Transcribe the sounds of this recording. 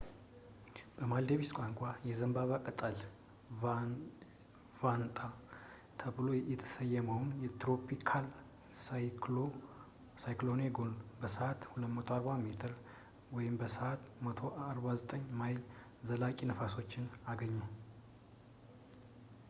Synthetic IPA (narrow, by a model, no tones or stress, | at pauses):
b̥əmald̪eβiskʷʼaŋkʷʼajɛzəmbaβakʼət̪ʼəl | vant̪ʼa | t̪ʰəβɨlo̞jɛt̪ʰə̥səjːɛməwnjɛt̪ɾo̞pikʰal | s | sajklo̞neɡonbəsəat̪huləmət̪ʰoaɾbamet̪ʰɨɾ | wɔjɪmbəsəat̪mət̪ʰo̞ʔaɾbazət̪ʼəɲːmajl | zəlakʼinəfaso̞t͡ʃːɪnaɡəɲːa